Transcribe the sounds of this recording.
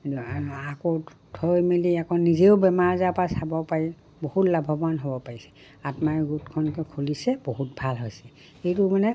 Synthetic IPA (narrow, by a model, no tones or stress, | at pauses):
ako | tʰɔjmeliakɔnizeʊbɛmaɹzapasabɔpaɹi | bohutlabʱɔbanɦobɔpaɹisɛ̥ | atmaɹɡutkʰɔnkɔkʰulisɛboɦut̚bʱalɦojsɛ | xejtumanɛ